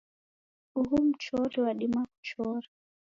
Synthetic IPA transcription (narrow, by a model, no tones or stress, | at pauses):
uɦum̩t͡ʃɔɾiwaɗimaku̥t͡ʃɔɾi